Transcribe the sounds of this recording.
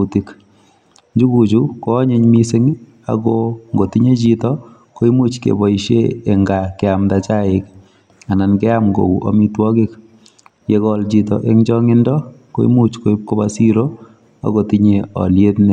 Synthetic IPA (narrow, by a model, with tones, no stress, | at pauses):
uti˨k | ɲd͡ʒu˦ku˨t͡ʃuko˦ɲe˦ɲmi˦se˦ŋ | a̰ɡɔŋɡo˨tiɲe˦t͡ʃitɔ | ko˦i˦mu˦t͡ʃkḛ˨bɔ˨iʃḛː˦˨ŋɡakɛamtat͡ʃa˦ɪk | a˨na˨nkɛ˦amɡo̰˨kṵ˨ʔo̰mitwɔ˦kɪ˦k | je˨kɔlt͡ʃi˨tɔ̰ʔe˦ŋd͡ʒɔŋɪ˦ndɔko˦ḭ˦mut͡ʃko˦i˦p̚ko˦basiɾo˦ | a̰˨kotiɲeɔ̰˨lje˦tne˦